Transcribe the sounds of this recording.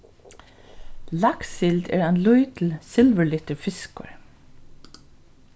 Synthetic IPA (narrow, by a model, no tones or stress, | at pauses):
lɑksɪld̪ḛːɹæɪnluʏt̪l̩sɪlʋəɭɪt̪əɾfɪskʊ̰ɹ